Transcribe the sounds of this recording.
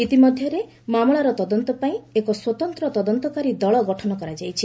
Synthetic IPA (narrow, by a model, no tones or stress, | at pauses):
it̪imɔd̪ʱjɔɾe | mamɭaɾɔt̪ɔd̪ɔnt̪ɔpaĩekɔswɔt̪ɔnt̪ɾɔt̪ɔd̪ɔnt̪ɔkaɾid̪ɔɭɔɡɔʈʰɔnɔkɔɾad͡ʒajt͡ʃʰi